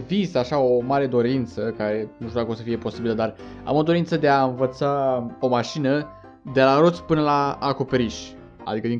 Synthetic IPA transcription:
vizaʃaomaɾe̞d̪o̞ɾint̪səkaɾe̞nuʃt̪ud̪akosəfijepo̞sibiləd̪ar | a̰mo̞d̪o̞ɾint̪səd̪e̞aɨnvət̪sao̞maʃinə | d̪e̞laɾo̞t̪sʲpɨnəlaːko̞pe̞ɾiʃʲ | a̰d̪ikəd̪iŋ

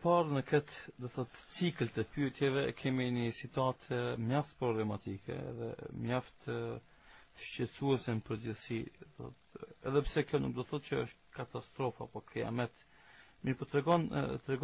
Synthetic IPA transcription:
paɾnəkɛt̪d̪ɔθɔt̪t͡siklt̪ɛpyɛt̪jɛvɛkʰɛminəsit̪uat̪ʰmjaft̪pɾɔblɛmat̪ikɛ̰ɛ̰ðɛ̰mjaft̪ | ʃt͡ɕɛt͡suɛsənpəɾd͡ʑəθsid̪ɔɔ̰t̪ɛ̰ðɛpsɛkjɔnuk̚d̪ɔθɔt̪̚cəə̰ʃt̪kat̪ast̪ɾɔfa̰pɔkɾia̰mɛt̪ | miɾpɔt̪ɾɛɡɔnt̪ɾɛɡ

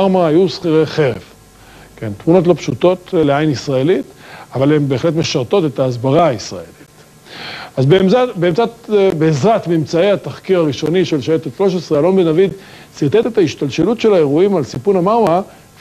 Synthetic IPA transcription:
aʁmaajusχiʁeχe̞ʁḛv | ke̞nt̪muno̞t̬lo̞pʃut̪o̞t̪leajnisʁae̞lit̪avalembe̞ːχle̞t̪̬meʃaʁt̪o̞t̪et̪aːzbaʁaisʁa̰ḛli̥t | azbeabeːmt͡satbeːzʁat̪mimt͡saehat̪aχkiʁaʁiʃo̞niʃelʃaet̪eʃlo̞ʃesʁealo̞nbenavid̪ | siʁt̪et̪e̞t̪aiʃt̪alʃelut̪ʃe̞lae̞ʁuimalsipunamaʁma

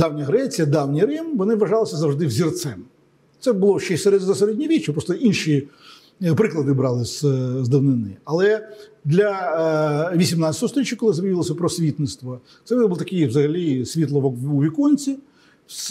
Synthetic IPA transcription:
d̪awnʲɐɦɾɛt͡sʲijɐd̪ɑwnʲiɾɪmʋɔnɪʋɐʒɑlˠɪsʲɐzɐwʐd̪ɪwzʲirt̪sɛm | t̪sɛbʊlˠɔʃɛseɾɛzɐseɾɛdʲnʲiɾʲit͡ʃːɪpɾɔst̪ɔʔinʃi | pɾɪklˠɐd̪ɪbɾɑlˠɪsʲzd̪ɪwnɪnɪ̰ɐlˠɛd̪lʲɐ | ʋʲisʲimnat͡sʲɐt̪ɔɔst̪ɔɾʲit͡ʃːjɐkɔlˠɪzɐbɐjʲʋʲilɔsʲɐpɾɔsʲʋʲit̪nɪst̪ʋɔ | t̪sɛbulˠt̪ɐkɪjʋzɐɦɐlʲisʲʋʲit̪lˠɔʋɔuʋʲikɔnʲt͡sʲi | s

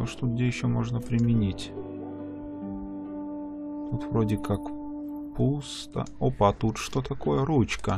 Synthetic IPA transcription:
oʂt̪ut̪̚ɡ̚dʲejɪɕːomo̞ʐnəpɾʲɪmʲɪnʲitʲ | t̪ut̪vɾodʲɪkak | pust̪ə̰opat̪ut̪ʂt̪o̞t̪ɐko̞jəɾut͡ɕkə

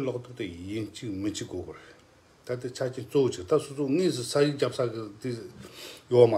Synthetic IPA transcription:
laχd̪oχt̪əjənht͡ɕək̚mət͡ɕək̚ɡokore | t̪at̪̬ət͡ɕʰat͡ɕʰenht͡sowot͡ɕək̚t̪asʰot͡sʰoŋisʰəsʰaʑəkɦd͡ʑap̚sʰakət̪i | jowama

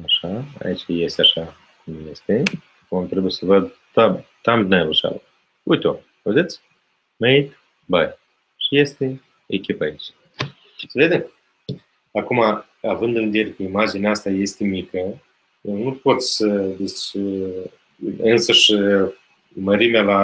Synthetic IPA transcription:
aʃaa̰it͡ʃaje̞st̪eaʃa | kumje̞st̪e̞ | amt̪ɾebujsəvəd̪ | t̪at̪ambʲnaeluʃa̰lə | ujt̪ʲo | ved̪et̪sʲ | mejt̪ | baj | ʃije̞st̪e̞ | ekʲipait͡ʃ | səve̞d̪em | akuma | avɨnd̪ɨnved̪ijeɾekeimad͡ʒinʲaast̪aje̞st̪e̞mikə | jewnupo̞t̪ssəd̪et͡ʃʲ | ɨnsəʃ | məɾimʲala

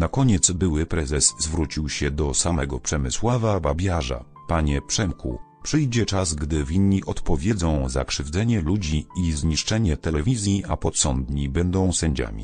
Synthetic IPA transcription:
nakɔɲɛt̪sbɘwɘpɾɛzɛsːvɾut͡ɕiwɕɛd̪ɔsamɛɡɔpʂɛmɘswavababʲjaʐa̰ | paɲɛpʂɛmkṵ | pʂɘjd͡ʑɛt͡ʂazɡd̪ɘvʲinɲiʔɔt̪pɔvʲjɛd̪zɔ̃w̃za̰kʂɘvd̪zɛɲɛlud͡ʑiizɲiʂt͡ʂɛɲɛt̪ɛlɛvʲizʲjiʔapɔt̪sɔnd̪ɲibɛnd̪ɔ̃w̃sɛɲd͡ʑa̰mʲḭ

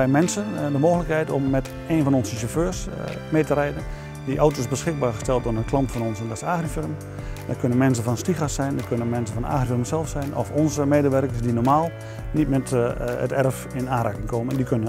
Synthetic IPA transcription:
ɛjmɛnsəndəmoːxələkhɛjtɔmːɛt | eːnfɔnɔnsəʃoføːrs | meːtərɛjdən | diʔawtoːsbəsxɪɡ̚baːrxəstɛlˠt̚onənklɑntfɔnɔnsəndɔsaːxrifɪrm | dəkʰønənmɛnsəfɔnstixasɛjndərkønənmɛnsəfɔna̰ːxrifɪrmsɛlˠfsɛjnʔɔ̰fɔnzəmeːdəʋɛrkəsdinɔɹmaːlˠ | nitmɛtə̰tɛrəf | ɪnaːɾaːkənkʰoməndikʰønə

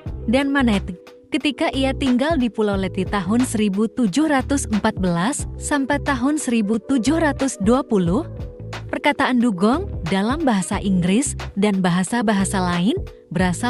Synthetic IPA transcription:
danmanɛt̪ | kət̪ikaʔiat̪iŋɡaldipulawlɛt̪it̪aɦʊnsəɾibut̪ud͡ʒʊhrat̪ʊsəmpat̪̚bəlasːampajt̪aɦʊnsəɾibut̪ud͡ʒʊhrat̪ʊsduapulʊhpərkat̪aʔanduɡɔŋdalambaɦasaʔiŋɡɾɪsdanbaɦasabaɦasalaɪn | bəɾasa

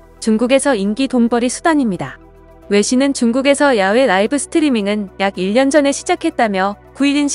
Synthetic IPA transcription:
t͡ɕuŋɡuɡe̞sʰʌinɡidombʌɾisʰudaɲimɲida | we̞ɕʰinɯnt͡ɕuŋɡuɡe̞sʰʌjawe̞ɾaibɯsʰɯ̥tʰɯɾimiŋɯnjaɡiʎːʌnd͡ʑʌne̞ɕʰid͡ʑakʰe̞t̚t͈amjʌ | kuiɾinɕʰ

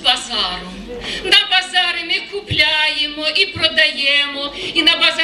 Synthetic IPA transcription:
bazaɾʊ | nɐbazaɾɨmʲɪkʊplʲajɪmɔʔipɾɔd̪ajɛmɔinɐbaza

